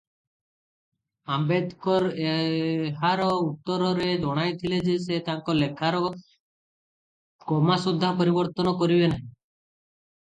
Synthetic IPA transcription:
ambed̪kɔɾeɦaɾɔut̪ːɔɾɔɾed͡ʒɔɽ̃ajt̪ʰiled͡ʒes̬et̪aŋkɔlekʰaɾɔ | kɔmasud̪ʱːapɔɾibɔɾt̪ɔnɔkɔɾibenaɦĩ

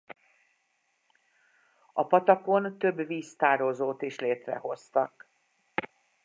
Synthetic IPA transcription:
ɒpɒt̪ɒko̞nt̪ø̞bviːst̪aːɾozoːt̪eːʃleːt̪rɛ̰ɦo̞st̪ɒk

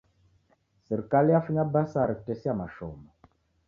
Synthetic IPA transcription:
sɛɾikalijafuɲabasaɾiktesiamaʃɔ̰ma

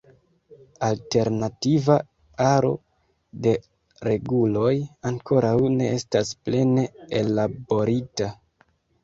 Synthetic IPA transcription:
alte̞ɾnativa | aɾo̞̰ | de̞ | ɾe̞ɡulo̞jaŋko̞ɾawne̞̰estasple̞ne̞elabo̞ɾita

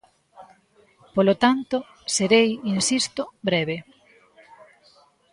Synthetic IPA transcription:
polot̪ant̪o | seɾejinsist̪obɾɛβe

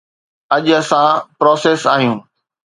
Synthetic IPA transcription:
ɐʄɐsãpɾoːseːsaːɦijũː

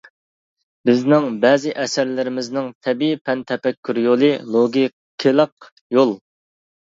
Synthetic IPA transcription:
bɪznɪŋbɛːzɪʔɛsæɾlɪɾɪmɪznɪŋt̪ʰɛbipʰɛnt̪ʰɛpɛkʲʰːyɾjolˠɨlˠoɡʲi | kʲʰːelˠəq̚ | jolˠ

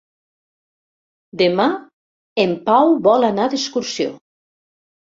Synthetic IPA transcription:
d̪ema | empawβɔlanaðeskuɾsjo̰

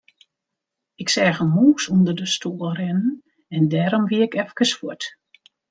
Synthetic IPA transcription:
ɪksɛːɣəmuːsundərdəstʰoːəlˠrɛnən̩ | ɛndɛːɾɔmʋiəɪkɛfkəsfuət

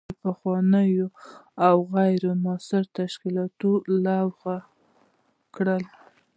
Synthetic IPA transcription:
pəxwɑnəjoawɣajɾomɑsɪɾt̪aʃkilɑt̪olɑwɣa | kɽəl

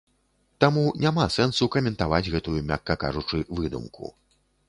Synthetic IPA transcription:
t̪amunʲamasɛnsukɐmʲɛnt̪avad͡zʲɣɛt̪ujumʲa̰kːɐka̰ʐut͡ʂɨvɨd̪ṵmkʰṵ

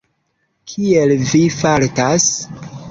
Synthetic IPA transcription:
kʰielvifaltas

